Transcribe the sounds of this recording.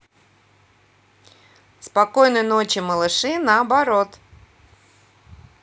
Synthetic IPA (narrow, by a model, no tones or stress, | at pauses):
spɐkojnɨjnot͡ɕɪməlˠɨʂɨnəɐbɐɾo̞t̪